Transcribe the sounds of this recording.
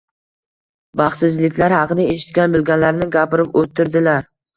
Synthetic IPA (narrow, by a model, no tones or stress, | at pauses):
bɑχsɪzlɪkʲlaɾhɑqɨd̪aeʃɪ̥t̪̚kʲanbʊlˠɡʲanlaɾnɪɡʲapɪɾɪpot̪ʰːɪɾd̪ɪlaɾ